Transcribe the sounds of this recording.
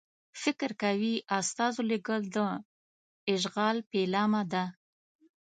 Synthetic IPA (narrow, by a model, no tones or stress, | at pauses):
fɪkɾkawiʔast̪ɑzoleɡəld̪ə | ɪʒɣɑlpelɑmad̪a